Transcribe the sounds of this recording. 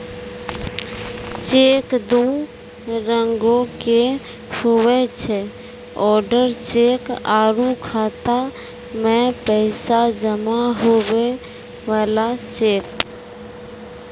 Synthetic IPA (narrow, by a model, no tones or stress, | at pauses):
t͡ʃeːkd̪u | ɾəŋɡõke | howet͡ʃʰɛ | ɔːɾɖəɾt͡ʃeːkaːɾukʰaːt̪a | mẽpɛɪsad͡ʒəmaɦowe | ʋaːlat͡ʃeːk̚